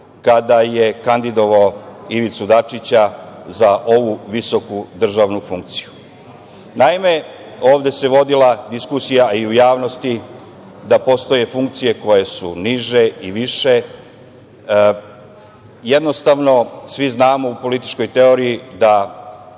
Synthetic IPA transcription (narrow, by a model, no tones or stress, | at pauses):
kad̪aje̞kand̪id̪o̞ʋaoiʋit̪sud̪at͡ʂit͡ɕazaʔo̞ʋuʋiso̞kud̪r̩ʒaʋnufuŋk̚t̪si̥ju | naime̞ | o̞ːʋd̪e̞se̞ʋo̞d̪ilad̪iskusijaiujaːʋno̞st̪i | d̪apo̞st̪o̞je̞fuŋk̚t̪sije̞ko̞je̞suniʒe̞iʋiʃe̞ | je̞d̪no̞st̪aʋno̞sʋiznaːmo̞upo̞lit̪i̥t͡ʃko̞jt̪e̞o̞ɾijid̪a